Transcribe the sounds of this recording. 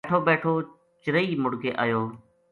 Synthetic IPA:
ʈʰoːbeːʈʰoː | t͡ʃɪɾəiːmʊɽkeːʔa̰ːjoː

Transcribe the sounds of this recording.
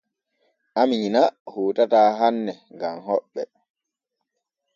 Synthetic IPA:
ʔamiɲinahoːtataːɦanːɛŋɡamɦɔɓːɛ

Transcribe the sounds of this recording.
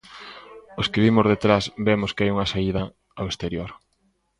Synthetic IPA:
oskeβimʊzðet̪ɾasbemʊskɪajuŋɐsaiðɐ | awest̪eɾjoɾ

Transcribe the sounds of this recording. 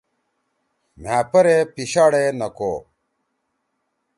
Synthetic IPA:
m̤aːpɐɾepiɕaːɽenɐkoː

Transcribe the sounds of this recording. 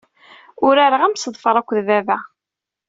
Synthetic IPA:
ʊɾæɾəʁæmsəðˤfəɾˤækʷːðvævæ

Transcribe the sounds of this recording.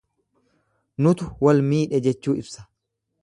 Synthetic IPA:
nʊt̪ʊwɐlmiːᶑɛd͡ʒɛt͡ʃːuːɪbsɐ̥

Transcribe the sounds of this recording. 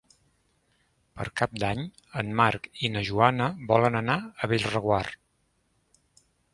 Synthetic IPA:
pə̰ɾkap̚d̪aɲ | ənmaɾkinəʒuanəβɔlənənaəβeʎrəɣwar

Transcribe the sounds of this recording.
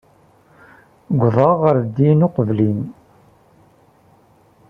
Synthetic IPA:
ɡʷðˤɑʁəɾd̪ːinoqəvlin

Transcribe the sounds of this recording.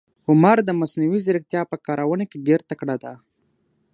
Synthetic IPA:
ʊmaɾd̪əmasnawizɪɾəkt̪jɑpəkɑɾʔawənakeɡeɾt̪akɽad̪a

